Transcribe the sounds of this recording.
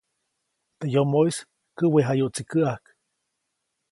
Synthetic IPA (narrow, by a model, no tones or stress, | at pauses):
t̪ejomois | kɨweɦajoʔt͡sikəak